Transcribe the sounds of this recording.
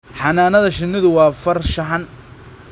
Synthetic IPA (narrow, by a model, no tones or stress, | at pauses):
ħɑnaːnɐðɐʃɪnːɪðʊwɑːfɐrʃɐɦɐn